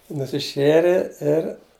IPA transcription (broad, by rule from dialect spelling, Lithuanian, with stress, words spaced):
nʊsʲɪˈʃʲeːrʲɛ ɪr